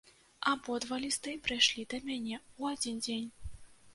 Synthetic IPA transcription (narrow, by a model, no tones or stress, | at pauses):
abɔd̪valʲist̪ɨpɾɨjʂlʲid̪ɐmʲanʲɛuad͡zʲind͡zʲenʲ